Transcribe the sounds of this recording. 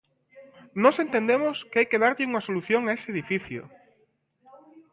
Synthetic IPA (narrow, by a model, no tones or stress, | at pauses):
nɔsent̪ẽnd̪emʊskɪajkeð̞aɾʎɪuŋɐsoluθjoŋaeseeðifiθjo̰